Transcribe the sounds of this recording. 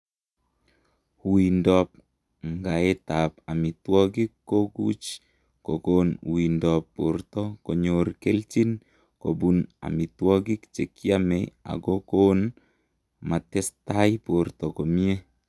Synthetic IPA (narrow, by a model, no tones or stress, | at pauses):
hwindɔp̚ | ŋɡaet̪apamit̪wɔɡikːoɡṵt͡ʃ | kokonw̰indɔpːo̰rt̪ɔkɔɲorkelt͡ʃin | kobuna̰mit̪wɔɡikt͡ʃekiamea̰ɡokon | mat̪ɛst̪ajport̪ɔkomie